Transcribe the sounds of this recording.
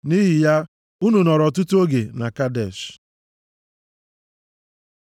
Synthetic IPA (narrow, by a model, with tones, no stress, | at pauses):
ni˦ɦɪ˨ja˦ | u˦nu˨nɔ˨ɾɔ˨t̬ʊ˦tu˦o˦ɡe˨na˨ka˦dɛ˨ʃ